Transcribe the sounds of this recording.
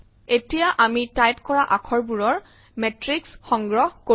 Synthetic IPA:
etijaʔamitajp̚kɔɹaʔakʰɔɹbuɹɔɹ | mɛtɹiksxɔŋɡɹɔɦko

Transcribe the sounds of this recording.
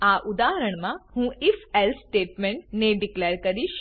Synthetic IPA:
aːʔʊd̪aːɦəɾəɳ̃mãhũːifɛlsʈeːʈmẽɳʈneɖɪklɛːɾkɐɾiʃ

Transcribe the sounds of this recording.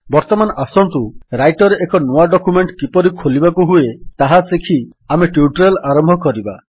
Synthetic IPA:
bɔɾt̪ɔmanɔʔasɔnt̪uɾajʈɔɾeʔekɔnoaɖɔkumeɳʈkipɔɾikʰolibakuɦuet̪aɦasekʰi | ameʈjuʈɔɾelaɾɔmbʱɔkɔɾiba

